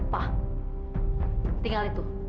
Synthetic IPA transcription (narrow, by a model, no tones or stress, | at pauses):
pah | t̪iŋalit̪u